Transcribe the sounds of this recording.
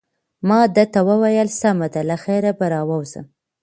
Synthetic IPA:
mɑd̪ət̪awəwajəlsamad̪alaxeɾabaɾɑwawzə̰m

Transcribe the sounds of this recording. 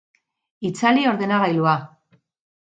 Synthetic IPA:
it͡salio̞ɾðe̞naɣajlua

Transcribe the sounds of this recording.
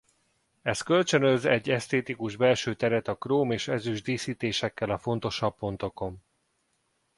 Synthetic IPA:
ɛskø̞lt͡ʃø̞nø̞zɛɟːɛst̪eːt̪ikuʒbɛlʃøːt̪ɛɾɛt̪ɒkroːmeːʃɛzyʒd̪iːsiːt̪eːʃɛkːɛlɒfo̞n̪t̪o̞ʃɒbːo̞nt̪o̞ko̞m

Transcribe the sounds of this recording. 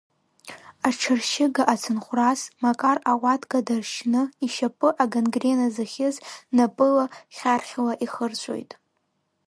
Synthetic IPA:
arʈ͡ʂʰɨrʃɪɡaʔat͡sʰɨnχʷrasmakʼaraʁʷatʰʼɡadarʃnɨiʃapʼɨʔaɡanɡrenazɨχʲɪznapʼɨlaχʲarχʲlaʔiχərt͡ɕʷʰʼo̰jtʼ

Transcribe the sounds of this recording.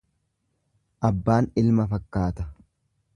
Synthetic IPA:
ʔɐbːaːnɪlmɐfɐkːaːt̪ɐ

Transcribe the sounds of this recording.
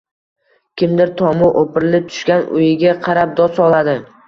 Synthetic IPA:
kʲʰɪmd̪ɪɾt̪ʰɒmʊʔopʰɪɾɪlɪp̚t̪ʰʊ̥ʃkʲanʊ̰jɪɡʲaqʰɑɾap̚d̪ɒsɒlˠad̪ɪ

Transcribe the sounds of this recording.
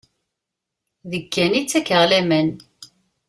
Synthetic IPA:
ðəkːænit͡sːækəʁlæmən

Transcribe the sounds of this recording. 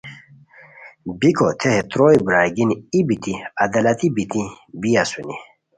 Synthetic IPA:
bikʰot̪ʰeɦet̪ɾoibɾaːɡiniibit̪iɐd̪alɐt̪ibit̪i | bijasuni

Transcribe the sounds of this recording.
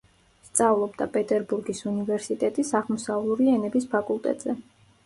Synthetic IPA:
st̪sʼavlˠɔbd̪apʼɛt̪ʼɛɾbuɾɡisunivɛɾsit̪ʼɛt̪ʼisaʁmɔsavlˠuɾiɛnɛbispʰakʼulˠt̪ʼɛ̰t̪ʼz̥ɛ

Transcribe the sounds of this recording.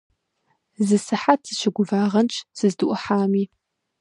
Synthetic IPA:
zɨsɨħatʰɨɕɪɡʷʊvaːʁɐnt͡ʃʰʼsɨzdɨʔʷɐħaːmiː

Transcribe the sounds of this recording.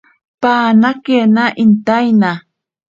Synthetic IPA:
paːnakenaʔint̪ajna

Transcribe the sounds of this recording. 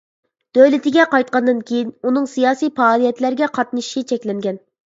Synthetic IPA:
d̪̥øwlɪt̪ʰɪɡʲɛqɑjt̪̚qɑnd̪ɨnkʲʰejinunɨŋsijɑːsijpɑːlˠijɛt̪læɾɡʲɛqʰɑt̪nɨʃit͡ʃʰɛkʲlɛŋɡʲɛn

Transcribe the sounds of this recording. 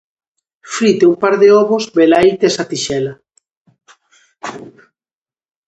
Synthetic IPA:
fɾit̪eumpaɾðeɔβozbelajt̪esat̪iʃɛla

